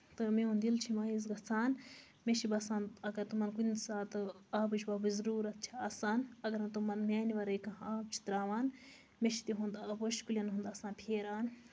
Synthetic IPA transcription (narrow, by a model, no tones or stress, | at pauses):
t̪ɨmeund̪ilt͡ʃʰimaːizɡɐsaːn | meʃibɐsaːnɐɡɐɾt̪umɐnkunsaːt̪ɨaːbɨt͡ʃʰbɐbɨzɾuːɾɐt̪̚t͡ʃʰi̥aːsaːnɐɡɐɾɐnt̪umɐnmeːniʋɐɾɐjkɐɦaːbt͡ʃʰi̥t̪ɾaːʋaːn | meʃi̥t̪iɦũnd̪ɐboʃkulʲjɐnɦund̪ɐsãːnpʰeːɾaːn